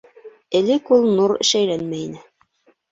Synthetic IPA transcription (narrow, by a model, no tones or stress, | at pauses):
ɘ̆lɘkulˠnuɾɘ̰̆ʃæjlænmæjinɘ